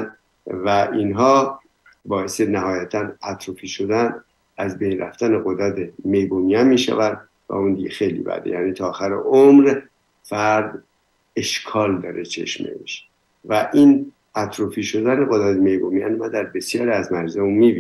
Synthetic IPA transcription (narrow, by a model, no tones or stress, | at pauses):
væʔinɦɒː | bɒːesenæɦɒːjæt̪ʰænæt̪ʰɾofiːʃo̞d̪æn | æzbejɾæ̰ft̪æneɣo̞d̪ɾæt̪ʰemejbomiæmiːʃæ̰vænd̪ | væ̰und̪iɟexejlḭːbæ̰d̪ḛjæ̰ːniːt̪ʰɒːxæɾḛʔomɾ | fæɾd̪ | e̞ʃkʰɒːld̪ɒ̰ːɾet͡ʃʰe̞̰ʃmḛḛʃ | væʔin | æt̪ʰɾofiːʃo̞d̪æneɣod̪ɾæt̪ʰeme̞jbomiænmænd̪æɾbe̞sjɒːɾiæzmæɾzemumibi